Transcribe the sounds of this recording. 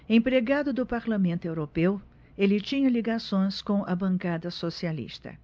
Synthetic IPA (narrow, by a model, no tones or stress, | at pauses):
ẽpɾeɡad̪ʊd̪ʊpaɾlamẽnt̪ʊewɾopew | elɪt͡ʃĩɲɐliɡasõj̃skõʔɐbɐ̃ŋkad̪ɐsosialḭst̪ɐ̰